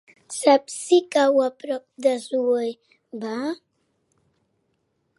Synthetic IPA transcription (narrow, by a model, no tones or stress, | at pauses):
sapsikawapɾɔk̚d̪əzuəj | ba